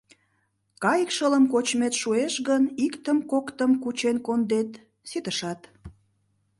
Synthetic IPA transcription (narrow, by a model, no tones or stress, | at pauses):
kɑjəkʃələmkot͡ɕmet̪ʃueʃɣənikt̪əmkokt̪əmkut͡ɕenkond̪et̪ | sit̪əʃɑt̪